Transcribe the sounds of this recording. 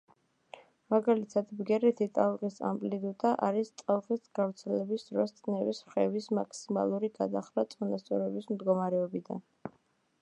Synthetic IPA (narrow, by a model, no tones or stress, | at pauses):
maɡalit̪ʰad̪bɡɛɾɛt̪ʰit̪ʼalˠʁisa̰mpʼlid̪ut̪ʼaʔa̰ɾist̪ʼalˠχist̪ɡ̥avɾt̪sʰɛlɛbisd̪ɾɔst̪sʼnɛvisχɛvismakʰsima̰lˠuɾiɡad̪aχɾat̪sʼɔnast̪sʼɔɾɛbismd̪ɡɔmaɾɛɔbid̪a̰n